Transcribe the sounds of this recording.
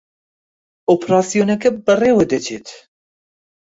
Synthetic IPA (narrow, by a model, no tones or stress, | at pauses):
oːpʰɾɑːsijoːnɛkɛbɨreːwɛd̪ɛt͡ʃʰeːt̪